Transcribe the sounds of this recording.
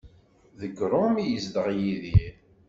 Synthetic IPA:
ðəɡɾˤʊmijəzd̪əʁjiði

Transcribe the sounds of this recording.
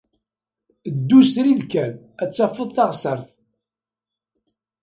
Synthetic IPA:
əd̪ːust̪ɾiðkːæl | æt͡sːɑfːəðˤθɑʁsəɾˤθ

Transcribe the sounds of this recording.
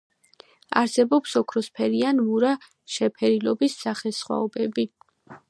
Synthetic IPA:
aɾsɛbɔpsɔkʰɾɔspʰɛɾianmuɾa | ʃɛpʰɛɾilɔbisːaχɛsχwa̰ɔbɛbi

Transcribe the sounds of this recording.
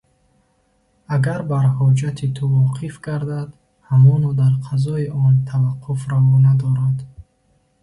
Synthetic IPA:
aɡaɾbaɾhɔd͡ʒat̪ʰit̪ʰuvɔqʰifɡaɾd̪ad̪ | hamɔnɔd̪aɾqʰazɔiʔɔnt̪ʰavaqʰːufɾavɔnad̪ɔɾad̪

